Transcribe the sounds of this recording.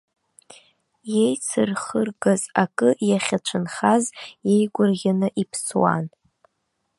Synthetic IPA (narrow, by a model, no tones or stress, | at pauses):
je̞jt͡sʰɨrχərɡazakʼɨʔjaχʲat͡ʃʷʰɨnχazje̞jɡʷʊrʁʲanɨʔipʰswa̰n